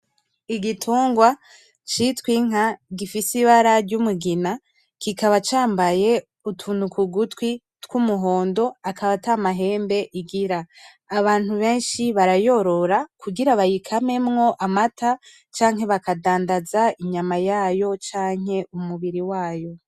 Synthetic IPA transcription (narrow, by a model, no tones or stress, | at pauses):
iɡitʰuːŋɡwa | t͡ʃitwiŋ̥aɡifisiβaɾaɾɟumuɡina | kikaβat͡ʃaːmbaje̞ | utʰunukʰuɡutwi | tkumuɦo̞ːndo̞akʰaβatamaɦe̞ːmbe̞ʔiɡiɾaː | βaːn̥huβe̞ːnʃiβaɾajo̞ɾo̞ɾakʰuɡiɾaβajikʰame̞mŋo̞ʔamatʰa | t͡ʃaːŋɦe̞βakadaːndazaiɲamajaːjo̞t͡ʃaːŋ̥e̞umuβiɾiwaːjo̞